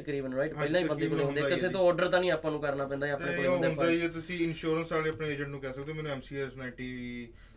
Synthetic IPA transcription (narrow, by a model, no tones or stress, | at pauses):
əkɾiːbənɾaːɪʈpɛjlãːiːbə̃nd̪eːkəleːɦnd̪eːkɪsẽːt̪õːɔːɾɖəɾt̪ãːnĩːaːpːãːnũːkəɾnaːpɛ̃ːnd̪aːaːpneːkəʊ̃nd̪aːd͡ʒiet̪ʊsĩːɪnʃuːɾə̃nsaːleːpneːeːd͡ʒə̃ɳʈnũːkɛːsək̚d̪eoːmɛːnũɛːmsiːɛːsnaːʈiːʋiː